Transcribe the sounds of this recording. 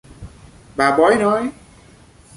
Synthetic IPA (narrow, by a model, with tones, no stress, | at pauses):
ɓaː˨˩ɓɔ˨˦jnɔ˨˦j